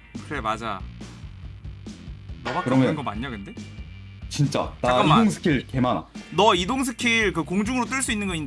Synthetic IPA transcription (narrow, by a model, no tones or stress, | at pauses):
kɯɾe̞mad͡ʑa | nʌbakɯɾʌmjʌnɡʌmaɲɲakɯnde̞ | t͡ɕint͡ɕ͈a̰nakaidoŋsʰɯ̥kʰiɾke̞mana̰nʌidoŋs̬ʰɯkʰiɭkɯkoŋd͡ʑuŋɯɾot͈ɯɭs͈uinːɯnɡʌind